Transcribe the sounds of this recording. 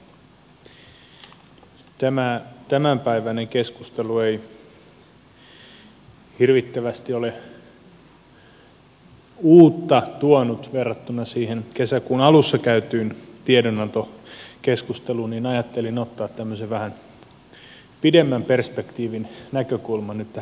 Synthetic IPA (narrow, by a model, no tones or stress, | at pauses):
t̪æmæt̪æmæmpæiʋæneŋkeskust̪eluej | hirʋit̪ːæʋæst̪iole | uːt̪ːɑt̪uonut̪ʋerːɑt̪ːunːˑɑsiːhenkesækunɑlusːɑkæyt̪yːnt̪iedonɑnt̪okeskust̪eluninɑjɑt̪ːelinot̪ːɑːt̪t̪ːæmːøseʋʋæhæn | pidemːæmperspekt̪iːʋinnækøkulmɑnyt̪ːæ